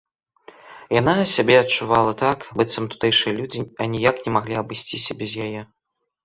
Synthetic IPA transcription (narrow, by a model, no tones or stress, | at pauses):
janasʲabʲɛɐt͡ʂuvalˠɐt̪akbɨt̪sɐmt̪u̥t̪ɛjʂɨjɐlʲud͡zʲianʲijaknʲɛmaɣlʲiɐbɨsʲt͡sʲisʲɐbʲɛzʲjajɛ